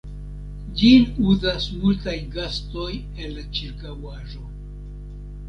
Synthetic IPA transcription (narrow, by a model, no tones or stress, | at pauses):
d͡ʒinuzasmultajɡasto̞j | e̞lːat͡ʃiɾkawaʒo̞